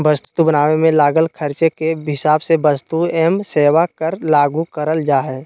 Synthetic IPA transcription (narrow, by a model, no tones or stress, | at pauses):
bəst̪t̪ubənaːʋemẽlaːɡəlkʰəɾt͡ʃekeɦɪsaːbsebəst̪uɛːmseːʋakəɾlaːɡukəɾəld͡ʒaːɦɛː